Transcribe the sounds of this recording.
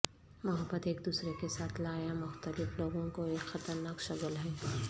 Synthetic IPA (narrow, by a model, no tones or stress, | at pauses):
mʊɦəbːət̪eːkd̪uːsɾekesaːt̪ʰlaːjamʊxt̪əlɪfloːɡõkoeːkxɐt̪əɾnaːkʃɐɡəlɦɛː